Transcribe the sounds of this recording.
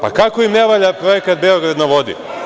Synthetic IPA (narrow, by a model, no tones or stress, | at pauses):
pa̰kakoimneʋaʎapɾo̞jekat̪̚beoɡɾad̪noʋo̞d̪ḭ